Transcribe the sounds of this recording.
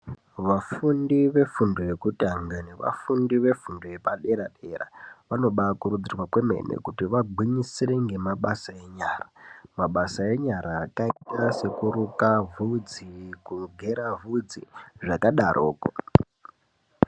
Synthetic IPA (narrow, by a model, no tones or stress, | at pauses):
ʋafundiʋe̞fundoje̞kutiɦaŋɡaneʋa̰fundiʋe̞fundojepaɗe̞ɾaɗera̰ʋano̞ɓakuɾud͡zirwakweme̞̰nḛkutiʋaɡʱiɲisireŋɡe̞maɓasae̞ɲaːramaɓasae̞ɲaɾʔaːkaikase̞kuɾukavud͡zikuɡʱe̞ɾavʱud͡ziʐakaɗarʔo̰ːko̰